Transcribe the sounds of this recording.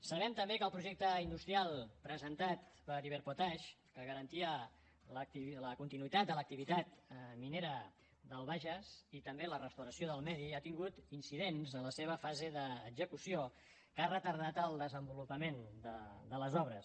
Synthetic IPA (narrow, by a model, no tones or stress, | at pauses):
səβɛmt̪əmbekəlˠpɾuʒɛk̚t̪əind̪ust̪ɾialˠpɾəzənt̪at̪pəɾiβɛɾpot̪aʃkəɣəɾənt̪iə | lət̪iləkunt̪inuit̪at̪d̪ələk̚t̪iβit̪at̪mineɾə | d̪əlˠβaʒəzit̪əmbelərəst̪əwɾəsioðəlˠmɛðiat̪iŋɡut̪insiðenzənləseβ̞əfazeðəːɡzəkusio | karət̪əɾnat̪əlˠd̪əzəmbulupəmend̪əd̪ələzɔβ̞ɾəs